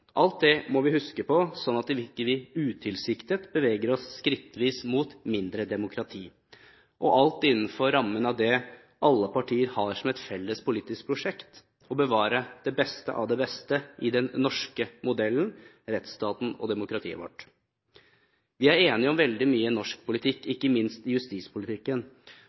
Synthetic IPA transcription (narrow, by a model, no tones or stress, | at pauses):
ʔɑlt̪̚d̪ɛmɔʋɪhʉskəpʰɔsɔnːɑt̪ːɪʋɪkəʋiːʉːt̪ʰɪlsɪkt̪ət̪bəʋeːɡəɾɔsːkɾɪt̪ːəʋiːsmuːt̪mɪnd̪ɾəd̪ɛmʊkʰɾɑt̪ʰiː | ʔɔʔɑlt̪ɪnːn̩fɔɾɾɑmːənɑʋd̪ɛ | ʔɑlːəpɑʈʰiːəɾhɑʂɔmɛt̪fɛlːəspʰʊliːt̪ɪsk̚pʰɾʊʂɛkt̪ | ɔbəʋɑːɾəd̪̥ɛbɛst̪ə̰ʔɑ̰ʋd̪ɛbɛst̪əʔɪd̪ɛnːɔʂkəmʊd̪ɛlːən | ɾɛt̪st̪ɑːt̪n̩ɔ̰d̪ɛmʊkɾɑt̪ʰḭːə̰ʋɔ̰ʈː | ʋɪæɾeːnɪɔmʋɛld̪ɪmyːənɔʂk̚pʰʊlɪt̪ʰɪkːɪkːəmɪnst̪ɪjʉst̪iːspʰʊlɪt̪ʰɪkːən